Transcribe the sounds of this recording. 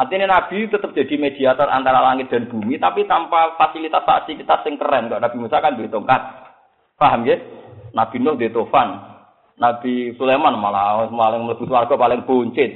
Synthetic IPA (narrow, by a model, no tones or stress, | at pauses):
ʔart̪inenab̥i̤t̪ət̪əp̚d̪̥a̤d̪̥i̤med̪̥i̤at̪ɔrʔa̰nt̪aɾalaŋɪt̪̚d̪̥a̤nb̥ṳmit̪apit̪ampafasilit̪asfa̰silit̪asːɪŋkərɛnkaʔnab̥i̤musakand̪et̪uŋkat̪̚ | faɦəmkenab̥i̤nʊhd̪et̪ofanː | ab̥i̤sulemanmalaɔmalɪŋmləb̥ṳswarɡ̥ɔ̤palɪŋb̥oɲt͡ʃɪt̪̚